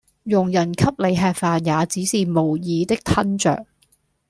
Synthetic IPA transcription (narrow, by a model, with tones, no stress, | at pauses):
jʊ˨˩ŋjɐ˨˩nkʰɐ˥p̚le˨˧jɦɛː˧k̚faː˨˧njaː˨˧t͡siː˨˥siː˨mo˨˩wjiː˨˧t̪ɪ˥k̚t̪ʰɐ˥nt͡ʃœ̰ː˨k̚